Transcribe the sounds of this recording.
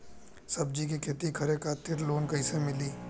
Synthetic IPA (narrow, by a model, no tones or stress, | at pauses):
sɐb̚d͡ʒik̬ikʰeːt̪ikʰɐɾekʰaːt̪ɪɾloːnkɐĩsemɪliː